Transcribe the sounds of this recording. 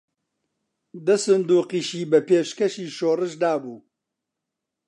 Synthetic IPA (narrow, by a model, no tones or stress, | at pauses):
d̪ɐsɨnd̪uːqiːʃiːbɐpeːʃkɐʃiːʃoːrɨʃd̪aːbuː